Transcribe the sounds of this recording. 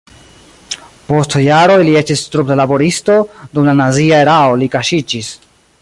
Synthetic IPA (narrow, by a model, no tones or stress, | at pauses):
po̞stjaɾo̞jliet͡ʃistɾup̚dalabo̞ɾisto̞dumlanaziae̞ɾao̞likaʃid͡ʒis